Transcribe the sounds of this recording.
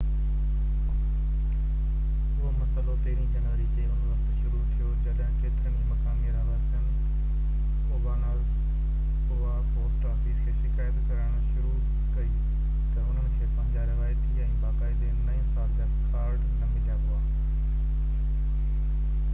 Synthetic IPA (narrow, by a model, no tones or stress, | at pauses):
ʊɦomɐsəlop̪eːɪɾid͡ʑɐnʋəɾikeɦʊnʋɐkt̪ʃʊɾut̪ʰijŏkɐɗɦɪ̃kʰeːt̪ʰənimɐkãːmeɾaʋaːɾsən | ʊːbanaːl | ʊɦapoːsʈɾaːfiːskʰeːʃɪkaːjət̪kɐɾəɽ̃ʊ̆ʃʊɾu | kɐi | t̪ɐʊn̤ənɪ̆kʰeːpɐ̃ɦɪ̃ɲd͡ʑaɾɪʋaːjt̪iɛ̃ɪ̃baːkaːɪd̪enɐẽsaːld͡ʑaːkʰaːɾɖnɐmɪlijaɦʊaː